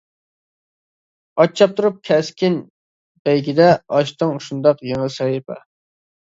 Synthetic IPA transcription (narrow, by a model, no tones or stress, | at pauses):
ɑt͡ʃʰːɑp̚t̪ʰuɾup̚kʲʰɛskʲin | bɛjɡʲɪd̪ɛɑʃt̪ɨŋʃund̪ɑqjeŋsɑhipɛ